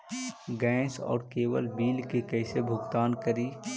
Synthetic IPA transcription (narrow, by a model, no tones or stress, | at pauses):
ɡɛ̃ːsɔ̰ːɾkeːwəlbiːlkekɛːsebʱʊɡt̪aːnkəɾiː